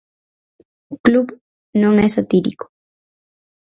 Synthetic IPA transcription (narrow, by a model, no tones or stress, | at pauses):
klub | noŋesat̪iɾiko̥